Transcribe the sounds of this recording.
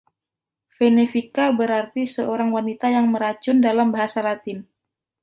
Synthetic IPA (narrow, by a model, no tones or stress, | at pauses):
fenefikabəɾart̪isəoɾaŋwanit̪ajaŋməɾat͡ʃʊndalambaɦasalat̪ɪn